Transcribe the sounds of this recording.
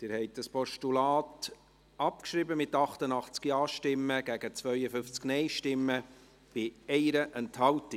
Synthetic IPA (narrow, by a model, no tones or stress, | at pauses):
d̪̥ɪːɾhɛɪt̚d̥ɑspɔʃtulɑːt | ɑp̚kʃɾibəmɪtːɑχtənɑχt͡skjɑːʃtɪmːəɡ̥æɡ̥ət͡svœʏəfʏft͡sknɛɪʃtɪmːə | b̥ɪɛɪɾəʔɛnthɑlti